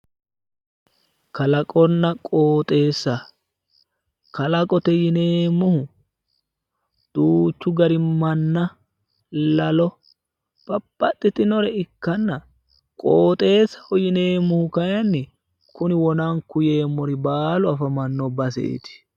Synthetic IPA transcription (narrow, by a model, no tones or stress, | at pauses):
kɐlɐkʼɔnːɐkʼoːt̪ʼe̞ːsːɐ | kɐlɐkʼɔt̪ɛjɪneːmːʊhʊ | d̪̥uːt͡ʃːʊɡɐɾɪmːɐnːɐ | lɐlɔ | b̥ɐpʼːɐt̪ʼːɪt̪ɪnɔɾɛɪkːɐnːɐ | kʼoːt̪ʼe̞ːsːɐ̥hɔjɪne̞ːmːʊhʊkɐjɐnːɪ | kʊnɪwɔnaŋkʊje̞ːmːɔɾɪbaːlʊɐfɐmɐnːɔbɐs̬ḛʔḛt̪ɪ̥